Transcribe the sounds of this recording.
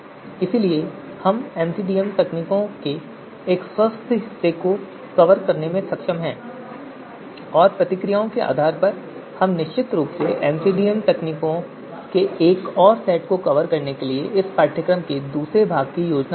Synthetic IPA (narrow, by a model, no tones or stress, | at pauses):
ɪsilie | hɐmɛ̃ːmsiɖiːjəmt̪ɛkniːkõkeː | kswəst̪ʰɦɪsːeko | kɐʋəɾkɐɾnemẽsɐkʃəmɦɛ̃ː | ɔːɾpɾɐt̪ɪkɾɪjaːõkeʔa̰ːd̪ʱaːɾpɐɾ | hɐmnɪʃt͡ʃɪt̪ɾuːpseʔɛ̃ːmsiɖiːəmt̪ɛkniːkõ | keʔeːkɔːɾsɛːʈ̚kokɐʋəɾkɐɾnekelieʔɪskaːʈʰəkɾəmked̪uːsɾebʱaːɡ̚kijoːd͡ʒna